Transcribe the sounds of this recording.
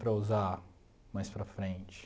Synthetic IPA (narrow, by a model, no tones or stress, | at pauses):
pɾɐuza | majspɾɐfɾẽnt͡ʃɪ̥